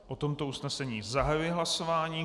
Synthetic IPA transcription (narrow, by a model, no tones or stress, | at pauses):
o̞t̪o̞mt̪o̞usnɛsɛɲiːzaɦajujɛɦlaso̞vaːɲiː